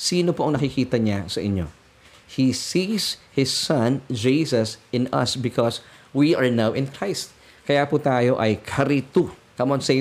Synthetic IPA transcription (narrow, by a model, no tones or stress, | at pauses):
siːnopoʔɐŋnɐkikiːt̪ɐɲasɐʔɪ̰ɲːo̰ | hisishɪsːɐ̃nd͡ʒisɐsɪ̃nɐ̰sbɪkʰɔswiɐɹnawʔɪ̃nkɹajst̪̚ | kɐjaːpʊt̪aːjo̞ʔɐjkʰɐɾit̪u | kɐmoʔɐŋse